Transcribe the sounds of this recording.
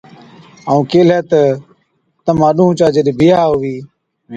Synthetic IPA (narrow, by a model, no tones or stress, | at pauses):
aːũːkeːlɛːt̪ə | t̪əmãːɗũːt͡ʃaːd͡ʒəɗibʱɪːaːɦoʋiː